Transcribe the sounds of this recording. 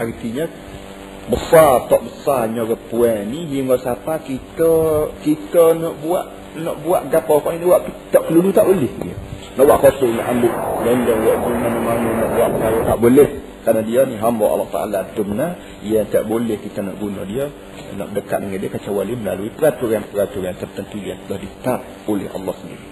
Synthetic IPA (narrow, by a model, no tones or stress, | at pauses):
aɾit̪iɲə | bəsat̪ɔʔbəsaɲoɾəpuɛniɦiŋɡɔʔsapakit̪əkit̪ənɔʔbua̰ʔ | nɔʔbuaʔɡapɔkɔʔiniwaʔt̪ut̪ɔʔkəlulut̪aʔbolɪhdiə̰ | nɔʔwaʔkot̪ʊʔnɔ̰ʔambʊʔ̚ləndəijaʔd͡ʒumanamanənɔʔbuaʔpəkaɾat̪a̰ʔboleh | kanadiəniɦambɔʔɑ̰lːɔ̰ht̪a̰ʔa̰lat̪ʊmna | jaŋt̪a̰ʔbolɛhkit̪ənɔ̰ʔɡunɔ̰diə | nɔ̰ʔdəka̰ʔ̪̚dəŋaʔdiəkat͡ʃawaliməla̰luipəɾat̪uɾanpəɾat̪uɾant̪ərt̪ənt̪ujaŋt̪əlahdit̪ap̚ | olɪ̰hɑ̰lːɑhsəndiɾi